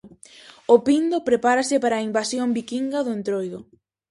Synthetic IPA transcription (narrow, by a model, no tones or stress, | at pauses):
ʊpind̪opɾepaɾasɪpaɾaːimbasjombikiŋɡɐðʊent̪ɾojðʊ